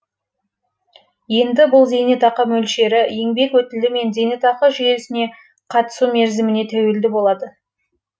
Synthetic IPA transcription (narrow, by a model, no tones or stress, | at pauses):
je̞nd̪ɪbʊlˠze̞net̪ɑqəmɵlʃe̞ɾɪje̞ŋbe̞kwɵt̪ɪld̪ɪme̞nzʲe̞net̪ɑqəʒʏje̞sɪne̞ | qʰɑt̪ə̥sume̞ɾzɪmɪne̞t̪ʰæwe̞ld̪ɪbo̞lˠɑd̪ə